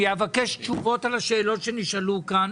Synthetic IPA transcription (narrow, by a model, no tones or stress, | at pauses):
javakeʃtt͡ʃuvo̞talaʃeːlo̞tʃe̞niʃalukan